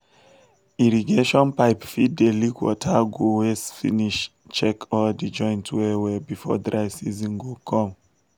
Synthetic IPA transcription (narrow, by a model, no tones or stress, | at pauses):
iɹiɡeʃɔ̃npaɪpfidelikwɔ̰tʰaɡowesfḭniʃ | t͡ʃɛkʰɔldid͡ʒɔ̃j̃ntʰwɛwɛbifɔ̰dɹaɪsizĩnɡokʰɔ̃m